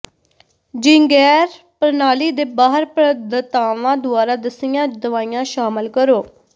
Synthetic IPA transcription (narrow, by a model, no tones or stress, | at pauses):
d͡ʒɪ̃ŋɡɛːɾ | pəɾnaːliːd̪eːbaːɦəɾpɾəd̪ət̪aːʋãːd̪ʊaːɾaːd̪əsɪjãːd̪əʋaːijãːʃaːməlkəɾoː